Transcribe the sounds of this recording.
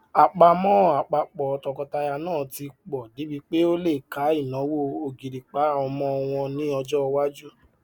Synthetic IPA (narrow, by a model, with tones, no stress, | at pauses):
a˨k͡pa˧mɔ̃˦˨a˨k͡pa˧k͡pɔ˨ɔ˨tɔ˧kɔ˧ta˧ja˧nãː˦˨ti˧k͡pɔ˨di˨˦bi˧k͡pe˦o˦le˦˨ka˨˦i˦˨nɔ̃˨˦wo˦o˧ɡi˨ɾi˨k͡pa˨˦˨ɔ˧mɔ̃˧ɔ˧w̃ɔ̃˧nĩ˨˦ɔ˧d͡ʒɔ˦˧wa˦d͡ʒu˦